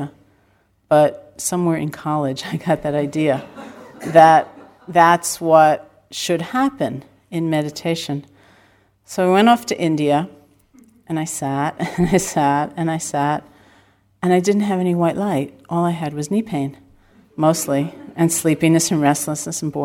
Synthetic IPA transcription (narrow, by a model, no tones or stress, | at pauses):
b̥ʌt̚sʌ̃mwɛɹʔɨ̰̃nkʰɑlˠɪd͡ʒaɪɡɑt̪̚ðɨɾaɪdiɨ | ðət̪̚ | ðætswʌt̚ | ʃɨd̚hæpɨ̃n | ɨ̃nmɛɾɨtʰeɪʃɨ̃n | soʊaɪwɛ̃ñɔftʰɨʔɪ̃ndiɨ | ʔɨ̃naɪsæɾɨ̃naɪsæɾɨ̃naɪsæɾ | ɨ̃ñaɪdɪdⁿn̩t̚ɦɨvɛniwaɪʔˡlaɪɾ̚ʔɔlˠaɪɨd̚wʌznipʰẽɪ̃n | moʊstˡliɨ̃nslipinɨsɨ̃n̩ɹɛstˡləsnɨsn̩bɔ